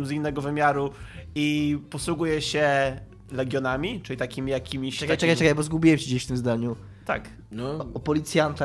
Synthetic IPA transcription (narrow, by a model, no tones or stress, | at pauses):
mzinːɛɡɔvɘmʲjaɾuipɔswuɡujɛɕɛ | lɛɡʲjɔnamʲit͡ʂɨlʲit̪akʲimʲijakʲimʲiɕɛkajt͡ʃɛkajt͡ʃɛkajbɔzɡubʲiwɛmt͡ɕid͡ʑeɕft̪ɘmzd̪aɲu | t̪a̰k | nɔɔpɔlʲit̪sʲjant̪a